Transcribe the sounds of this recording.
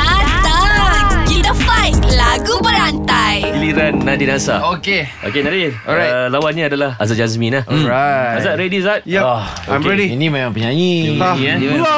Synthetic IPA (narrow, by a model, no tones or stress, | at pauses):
asakidəfajklaɡubəɾant̪ajɡiliɾanːadidãsa̰okeʔo̰kenadiɔajlawan̚ɲaːdalahʔazat̚d͡ʒazmĩnahɔɹaazat̪̚ɾediazat̪̚jaɔãmkɹediinĩmemãmpəɲaɲiaɲiɛ̃ni